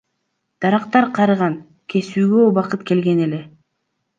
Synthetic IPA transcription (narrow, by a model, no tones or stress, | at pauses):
d̪̥ɑɾɑqt̪ɑɾqʰɑɾɯʁɑn | kʲʰe̞syːɡøobɑqɯt̪ke̞lɡe̞ne̞le̞